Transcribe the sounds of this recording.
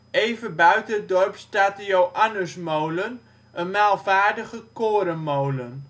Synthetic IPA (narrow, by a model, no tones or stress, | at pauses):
ejvənbœɥtənət̚dɔrpstaːtəjowʔanəsmowlən | ʔənmaːlˠvaːɹdəχəkoːɾəmowlən